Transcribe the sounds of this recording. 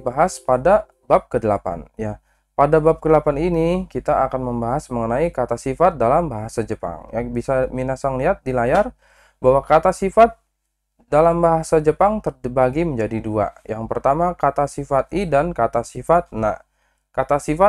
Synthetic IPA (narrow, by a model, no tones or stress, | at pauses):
baɦaspada | bap̚kədəlapa̰nja | padabap̚kədəlapaninikit̪aʔːkanməmbaɦasməŋənaikat̪asifat̪̚dalambaɦasad͡ʒəpa̰ŋjabisaminasaŋliɦat̪̚dilajar | baɦwakat̪asifat̪̚ | dalambaɦasad͡ʒəpaŋt̪ərbaɡiməɲd͡ʒadidua̰jaŋpərt̪amakat̪asifat̪̚idankat̪asifat̪̚na̰ | kat̪asifa